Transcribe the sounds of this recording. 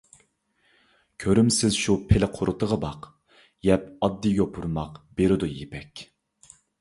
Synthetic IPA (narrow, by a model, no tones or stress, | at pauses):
kʲʰøɾymsɪzʃupʰɪlɪqʰʊɾʔʊt̪ʰəʁəbɑq | jɛpɑd̪ːijʲopʰuɾmɑqb̥eɾɪd̪ujepʰɛkʲ